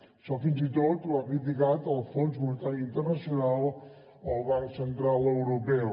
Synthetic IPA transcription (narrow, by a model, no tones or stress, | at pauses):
sɔfinsit̪ot̪luarit̪ikat̪alˠfonzmunt̪aɾint̪əɾnasjonal | əlβansənt̪ɾalewɾopɛw